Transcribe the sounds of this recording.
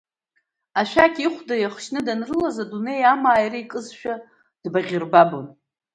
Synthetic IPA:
aʃʷᶣakʲʼiχʷdajaχʃnɨdanrɨlazadune̞jamaːjriikʼɨzʃᶣa | d̥baʁʲɪrbabon

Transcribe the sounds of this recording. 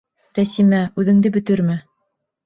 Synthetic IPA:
ɾæsimæʉðɘ̆ŋd̪ɘbɵ̆t̪ɘɾmɘ

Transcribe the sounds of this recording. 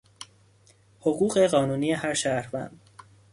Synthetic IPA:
hoɣuːɢe̞ɢɒːnuːniːjehæɾʃæɾvæ̰nd̪̥

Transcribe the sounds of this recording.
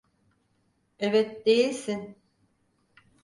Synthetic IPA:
ɛvɛt̪̚d̪ejilʲsin

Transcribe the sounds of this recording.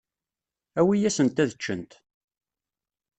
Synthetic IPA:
æwijæsənt̪æðət͡ʃːə̰nt̪

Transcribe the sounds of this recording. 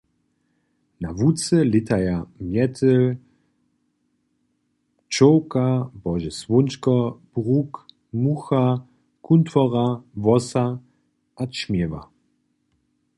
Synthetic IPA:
navut͡səlɪt̪ʰajamjɛt̪ʰəl | t͡ʃɔwkabɔʒɛsvʊnt͡ʃkɔb̥ʁuk | muxa | kunt̪fɔʁavɔsa | ʔat͡ʃmjɛva̰

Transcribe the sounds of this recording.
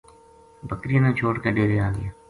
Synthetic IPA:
bəkɾijãnẽt͡ʃʰoːʈkeɖeːɾeaːɡə̰jaː

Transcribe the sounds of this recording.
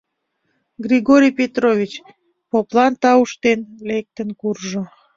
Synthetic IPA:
ɡrʲiɣoɾʲijpet̪rovʲit͡ɕ | poplɑnt̪ɑuʃt̪enlek̚t̪ənkurʒo

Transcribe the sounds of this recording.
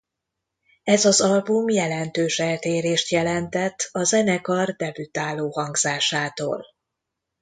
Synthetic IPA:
ɛzɒzɒlbumjɛlɛnt̪øːʃɛlt̪eːɾeːʃt̪jɛlɛnt̪ɛt̪ːɒzɛnɛkɒrd̪ɛbyt̪aːloːhɒŋɡz̥aːʃaːt̪o̰ːl

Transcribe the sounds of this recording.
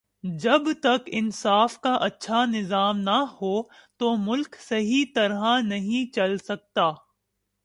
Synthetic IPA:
d͡ʒɐbt̪ɐkɪnsaːfkaʔɐtːʃʰanɪzaːmnɐhoːt̪omʊlksɐɦit̪ɐɾɦãnɐɦĩt͡ʃɐlsɐk̚t̪aː

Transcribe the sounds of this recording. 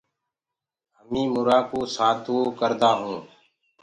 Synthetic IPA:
ɦəmĩːmʊɾaːkoːsaːt̪ʰoːkəɾd̪aːɦũː

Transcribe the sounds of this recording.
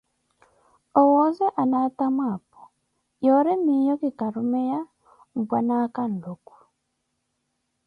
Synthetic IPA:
ɔwɔzɛʔanatamapɔ̥ | jɔɾɛmijɔkikaɾumɛja | m̩bwanakan̩doku̥

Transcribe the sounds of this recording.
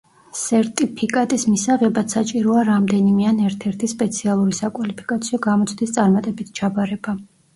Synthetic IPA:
sɛɾt̪ʼipʰikʼat̪ʼismisaʁɛbat̪sat͡ʃʼiɾɔaɾamd̪ɛnimianɛɾt̪ʰɛɾt̪ʰispʼɛt̪sʰialˠuɾisakʼwalipʰi̥kʼat̪sʰiɔɡamɔt̪sʰʼd̪ist̪sʼaɾmat̪ʼɛbit̪ʰt͡ʃʰabaɾɛba

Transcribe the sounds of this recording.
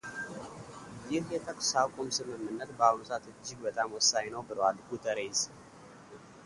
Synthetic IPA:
jɪhjɛt̪ʰəkʼsakʷʼomsɨmɨmːɨnːət̪bəawnot̪ʰat̪ɨd͡ʒːɪɡbət̪ʼamwɔsːajnəwbɨləwalɡut̪ʰəɾes

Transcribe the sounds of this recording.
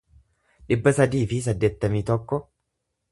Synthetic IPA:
ᶑɪbːɐsɐd̪iːfɪs̬ɐd̪ːeːt̪ːɐmiːt̪ɔkːɔ

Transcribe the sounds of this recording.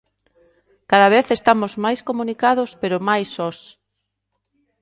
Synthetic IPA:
kaðɐβeθest̪amozmajskomũnikað̞ospeɾomajsɔs

